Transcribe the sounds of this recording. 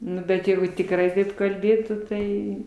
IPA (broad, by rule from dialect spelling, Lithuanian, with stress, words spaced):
ˈnʊ bʲɛt ˈjɛɪɡʊ tʲɪkˈrɐɪ ˈtɐɪp kɐlʲˈbʲeːtuː ˈtɐɪ